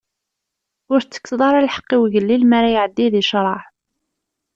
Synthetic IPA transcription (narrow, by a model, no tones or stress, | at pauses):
ʊɾt͡sːə̥kːðˤɑɾˤælħə̥qːiwʝəlːilmæɾæjʕəd̪ːiðiʃɾˤɑħ